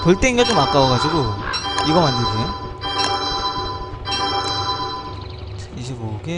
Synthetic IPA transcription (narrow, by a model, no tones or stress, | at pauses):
kʌɭt͈eiŋɡet͡ɕ͈omak͈awʌɣad͡ʑiɡoiɡʌmanːiɡie | iɕ̬ʰiboɡe